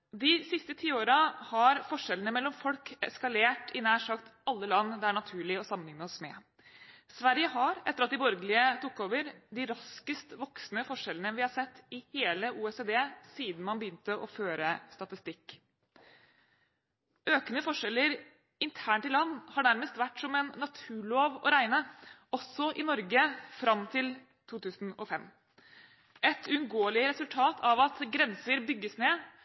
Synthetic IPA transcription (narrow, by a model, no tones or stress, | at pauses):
d̪ɪsɪst̪ət̪ʰiːoːɾɑhɑɾfɔʂɛlənəmɛlːɔmfɔlkɛskɑleːʈʰɪnæːʂɑkt̪ɑlːəlɑnːd̪æɳɑt̪ʰʉːɭɪɔsɑmənɪŋnəɔsmɛ | sʋæɾjəɦɑɾɛt̪əɾɑt̪d̪ɪbɔɾɡəlɪət̪ʊkːoːʋəɾd̪ɪɾɑskəst̪ʋɔksnəfɔʂɛlənəʋɪhɑɾʂɛt̪ːɪheːləʔuːɛseːd̪eːsiːd̪n̩mɑnbəjʏnt̪əʔɔføːɾəst̪ɑt̪ɪst̪ɪkː | øːkənəfɔʂɛlːəɾ | ɪnt̪ʰæːɳʈɪllɑnːhɑɖæɾməst̪ʋæʈːsɔmɛnːɑt̪ʰʉːɭoːʋɔ̰ɾæɪnəɔsɔʔɪnɔɾɡəfɾɑmt̪ʰɪl | t̪ʰuːt̪ʉːsn̩ɔfɛmː | ʔɛt̪ʉʉnɡoːəlɪəɾɛsʉlt̪ʰɑːt̪ʰɑʋɑt̪ɡɾɛnsəɾbʏɡːəsneː